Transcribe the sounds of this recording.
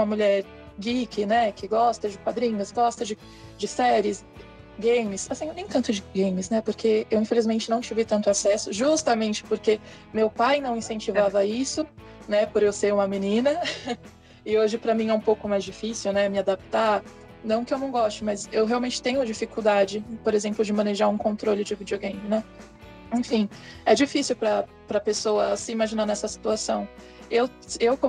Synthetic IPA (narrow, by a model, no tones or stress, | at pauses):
ũmɐmuʎɛɾ | ɡikʰʲɪnɛkʰɪɡɔst̪ɐd͡ʒɪkwad̪ɾĩɲʊsɡɔst̪ɐd͡ʒɪ | d͡ʒɪsɛɾjɪs | ɡẽjmɪsasĩnẽj̃t̪ɐ̃nt̪ʊd͡ʒɪɡẽjmɪsnɛpoɾkʰeewĩfelizmẽnt͡ʃɪnɐ̃w̃t͡ʃivɪt̪ɐ̃nt̪ʊasɛsʊʒust̪ɐmẽnt͡ʃɪ̥poɾke | mewpajnɐ̃w̃ĩsẽnt͡ʃivavɐisʊ | nɛpoɾewsejũmɐmenĩnɐ | ɪoʒɪpɾɐmĩɛũpowkʊmajzd͡ʒifisiwnɛmɪad̪ap̚t̪aɾ | nɐ̃w̃kɪewnɐ̃w̃ɡɔst͡ʃʊmɐzewɦeawmẽnt͡ʃɪ̥t̪ẽɲʊd͡ʒifikuwd̪ad͡ʒɪpoɾezẽmplʊd͡ʒɪmɐ̃neʒaɾũkõnt̪ɾolɪd͡ʒɪvid͡ʒioɡẽj̃mnɛ | ẽfĩɛd͡ʒifisiwpɾɐ | pɾɐpesowɐsɪimaʒinaɾnɛsɐsi̥t̪uasɐ̃w̃ | ew | ewkõ